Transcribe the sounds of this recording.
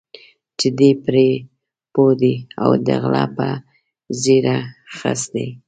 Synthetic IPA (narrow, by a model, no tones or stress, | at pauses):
t͡ʃed̪epɾe | pod̪ia̰wd̪ə̰ɣlɑ̰pa | ziɾaxa̰sd̪e